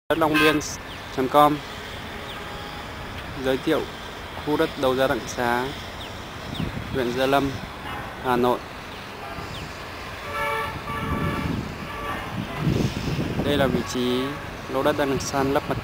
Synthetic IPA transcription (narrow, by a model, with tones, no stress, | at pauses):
ə˦˥t̚la˧wŋ͡mɓi˧ən | t͡ɕə˨˦mkɔ˧m | zəː˨˦jt̪ʰḭ˧˨əw | xʰu˧ɗə˦˥t̚ɗə˨˩wzaː˧ɗa̰˧˨ŋsaː˨˦ | lwḭ˧˨ənzaː˧lə˧m | haː˨˩no̰˧˨j | ɗə˧jlaː˨˩vḭ˧˨t͡ɕi˨˦ | lo˧˦ɗə˦˥t̚ɗaː˧ŋɗa˨˩ŋsaː˧nlə˦˥p̚mə˨˩t̚